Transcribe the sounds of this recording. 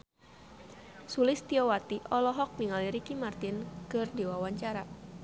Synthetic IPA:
sulɪst̪iɔwat̪iʔɔlɔɦɔk̚niŋaliɾikimart̪ɪnkɨrdiwawaɲt͡ʃaɾa

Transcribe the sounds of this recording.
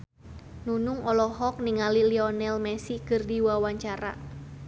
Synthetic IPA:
nunuŋɔlɔɦɔk̚niŋaliliɔnɛlmɛsikɨrdiwawaɲt͡ʃaɾa̰

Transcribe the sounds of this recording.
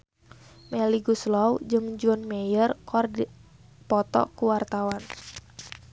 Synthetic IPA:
meliɡuslɔwd͡ʒɨŋd͡ʒuɔnmejərkɔrd | pɔt̪ɔ̰kuwart̪awan

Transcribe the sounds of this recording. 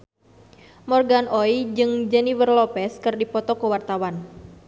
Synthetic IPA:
mɔrɡanʔɔjd͡ʒɨŋd͡ʒɛnivərlɔpɛskɨrdipɔt̪ɔkəwart̪awan

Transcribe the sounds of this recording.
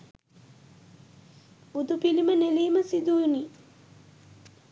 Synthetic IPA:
ud̪upiliməneliːməsid̪uni

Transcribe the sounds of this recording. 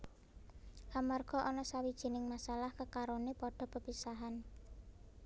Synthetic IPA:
ʔamarɡ̥ɔ̤ʔɔnɔsawid̥ʒ̥i̤nɪŋmasalahkəkaɾonepɔɖ̥ɔ̤pəpisaɦan

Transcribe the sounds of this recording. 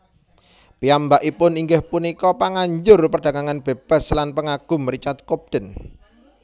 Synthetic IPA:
piambaʔipʊniŋɡɪhpunikɔpaŋaɲd͡ʒʊrpərɖ̥a̤ɡaŋanb̥eb̥a̤slanpəŋaɡ̥ʊ̤məɾit͡ʃat̪̚kop̚d̥ə̤n

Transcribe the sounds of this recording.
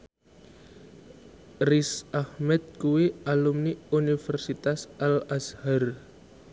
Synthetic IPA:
risahmɛt̪̚kuwialumniunifɛrsit̪asʔalashar

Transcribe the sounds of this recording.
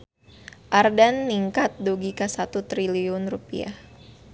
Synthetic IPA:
ʔardanːiŋkat̪̚duɡikasat̪ut̪ɾiliʊnrupḭa̰h

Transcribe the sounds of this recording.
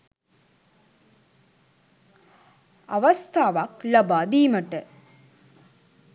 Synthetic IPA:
ɐʋɐst̪ʰaːʋaklɐbaːd̪iːməʈə

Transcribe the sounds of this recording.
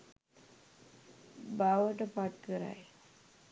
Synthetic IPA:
baʋəʈəpaʈ̚kəɾa̰j

